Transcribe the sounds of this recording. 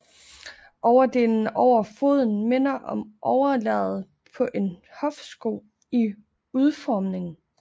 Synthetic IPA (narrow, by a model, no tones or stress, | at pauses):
ʔɒʊɐde̝ln̩ɒʊ̰ɐfo̝ð̞ˠn̩me̝n̰ɐʔɒ̽mʔɒʊɐlɛ̰ð̩ˠ | pʰɒ̽ʔe̝nhɒ̽fsɡ̥o̝ | i | uð̞ˠfɒːmne̝ŋn̩